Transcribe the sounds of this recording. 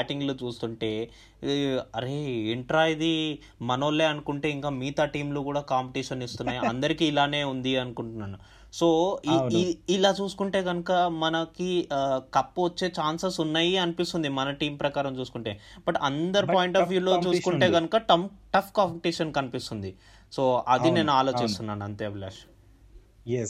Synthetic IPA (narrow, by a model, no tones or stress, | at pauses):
aːʈiŋɡloːt͡ʃuːst̪uɳʈe̞ː | ɐɾe̞ːiɳʈɾaːjid̪i | mɐnɐʋɐlːe̞ːɐnukuɳʈe̞ːiŋkaːmiːt̪aːʈiːmloːkuːɽaːkaːmpɐʈiːʂɐnist̪unːaːjiɐ̰nd̪ɐɾikiːlaːne̞ːund̪iɐnukuɳʈunːaːnu | so̞ː | ilaːt͡ʃuːsu̥kuɳʈe̞ːɡɐnukɐmɐnɐkikɐpːuʋɐt͡ʃːe̞ːt͡ʃaːnsɐsunːaːjiɐnipist̪und̪imɐnɐʈiːmpɾɐkaːɾɐmt͡ʃuːsukuɳʈeːb̥ɐʈɐ̰nd̪ɐɾipoːjɳʈɐfʰjuːlo̞ːt͡ʃuːsukuɳʈe̞ːɡɐnukɐʈɐʈɐpʰkaːmpɐʈiːʂɐnkɐnipist̪und̪i | so̞ːɐd̪ine̞ːnuaːlo̞ːt͡ʃist̪unːaːnuɐnt̪eːɐʋlḛːʂ